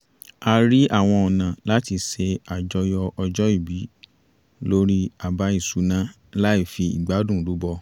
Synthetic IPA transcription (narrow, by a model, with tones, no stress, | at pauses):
a˧ɾi˦ʔa˦˨w̃ɔ̃˧ɔ˨nã˨la˦ti˧se˧a˨d͡ʒɔ˧jɔ˧ɔ˧d͡ʒɔ˦i˦˨bi˨˦ | lo˦ɾi˦a˨ba˧˦i˦˨su˨˦nã˦ | la˦i˦˨fi˧ḭ˨ɡ͡ba˨˦dũ˦˨lu˨˦bɔ˧